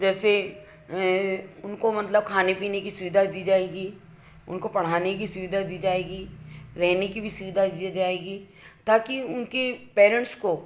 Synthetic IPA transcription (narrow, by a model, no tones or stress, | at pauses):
d͡ʒɛːse | ʊnkomɐt̪ləbkʰaːnepiːnekisʊʋɪd̪ʱad̪iːd͡ʒaːeːɡi | ʊ̰nkopɐɽ̤aːnek̬isʊʋɪd̪ʱad̪iːd͡ʒaːeːɡiɾɛɦnekibʱisʊʋɪd̪ʱad̪iːd͡ʒaːeːɡiː | t̪aːkiʊnkipɛːɾə̃ɳʈsko